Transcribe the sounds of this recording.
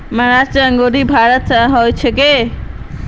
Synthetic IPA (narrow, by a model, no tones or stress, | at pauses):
məɾat͡ʃaəŋɡoɾibʱaɾət̪ɦɔjt͡ʃʰeke